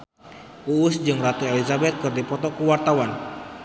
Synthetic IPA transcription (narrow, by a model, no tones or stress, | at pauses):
uusd͡ʒɨŋrat̪uelizabɛt̪̚kɨrdipɔt̪ɔkuwart̪awan